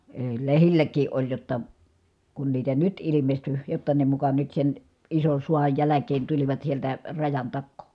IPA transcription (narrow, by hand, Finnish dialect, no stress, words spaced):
eˑi̯ lehilːækˑiː ʔolʲ jotːɑ kun niːtæ nyt ilimesty jotːɑ ne mukɑ nyt sen ison̞ suɑj jælækˑeːn tuliʋɑt sieltæ rɑjɑn tɑkːoː